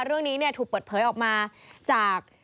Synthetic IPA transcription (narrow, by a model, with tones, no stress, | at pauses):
ɾɯ˥˩əŋniː˦˥ni˥˩ət̪ʰuː˨˩k̚pəː˨˩t̪̚pʰɤː˩˦jʔɔː˨˩k̚maː˧t͡ɕaː˨˩k̚